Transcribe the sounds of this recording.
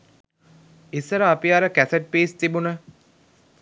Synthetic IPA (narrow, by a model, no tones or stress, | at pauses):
isːəɾəːpiaɾəkæseʈ̚peːst̪ibunə